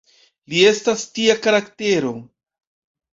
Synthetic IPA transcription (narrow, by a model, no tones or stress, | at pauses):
lie̞stastiakaɾakte̞ɾo̞